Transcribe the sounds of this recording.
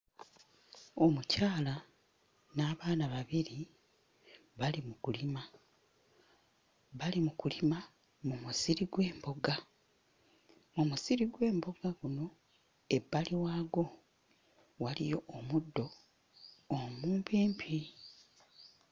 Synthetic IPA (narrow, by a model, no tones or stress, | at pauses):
o̞mucaːla | naːβaːnaβaβiɾi | βalimukulima | βalimukulima | mumusiɾiɡwe̞ːmbo̞ɡa | omusiɾiɡwe̞ːmbo̞ɡaɡuno̞ | e̞bːaliwaːɡo̞ | walḭjo̞ːmudːo̞ː | muːmpeːmpʰi